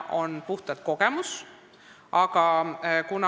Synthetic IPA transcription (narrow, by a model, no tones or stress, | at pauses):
ʔo̞npuht̪ɑt̪ko̞ɡ̥e̞mus | ɑɡ̥ɑkunɑ